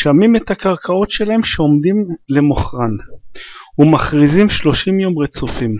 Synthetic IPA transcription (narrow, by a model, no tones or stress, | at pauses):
ʃamimetakaʁkʰao̞t̪ʃe̞lahe̞mʃeo̞mdimle̞moχʁan | humaχʁizimʃloʃimjo̞mʁet͡sofim